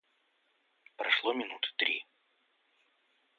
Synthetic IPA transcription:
pɾɐʂlˠomʲɪnut̪ɨ̥t̪ɾʲḭ

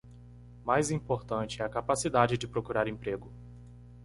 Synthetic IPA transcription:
majzĩpoɾt̪ɐ̃t͡ʃɪɛɐkapasid̪ad͡ʒɪd͡ʒɪpɾokuɾaɾẽpɾeɡʊ

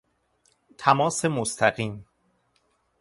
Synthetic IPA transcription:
t̪ʰæmɒːsemost̪ʰæɢiːm

